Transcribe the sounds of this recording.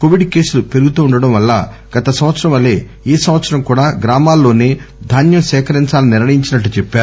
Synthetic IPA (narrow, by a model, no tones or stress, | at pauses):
ko̞ʋiɖke̞ːsulupe̞ɾuɡut̪uːɳɖɐɽɐmʋɐlːa̰ːɡ̥ɐt̪ɐsɐ̃mʋɐt̪sɐɾɐmɐlːeː | eːsɐmʋɐt̪sɐɾɐmkuːɽaːɡɾaːmaːlːo̞ːne̞ːd̪ʱaːnjɐmsɛːkɐɾiɲt͡ʃaːliniɾɳɐjiɲt͡ʃinɐʈːut͡ʃepːaːɾu